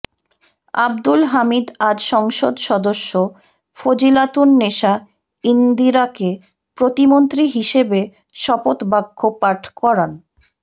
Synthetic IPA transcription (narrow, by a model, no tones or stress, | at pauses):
a̰bd̪ulɦamid̪ad͡ʑʃɔŋʃod̪ʃɔd̪oʃːo | fod͡ʑilat̪unːeʃa | ind̪iɾake | pɾot̪imont̪ɾiɦiʃebe | ʃɔpot̪baɡʰʱːopaʈʰkɔɾan